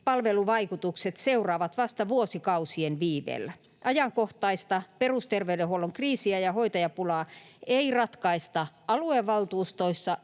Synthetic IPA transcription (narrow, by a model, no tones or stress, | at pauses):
pɑlʋeluʋɑikut̪ukset̪seurɑːʋɑt̪ʋɑst̪ɑʋuosikɑusienʋiːʋḛːlːæ | ʔɑjɑŋkoht̪ɑist̪ɑperust̪erʋeydehuoloŋkriːsiæjɑhoit̪ɑjɑpulɑːeirɑt̪kɑist̪ɑ | ɑlueʋɑlt̪uːst̪oisːɑ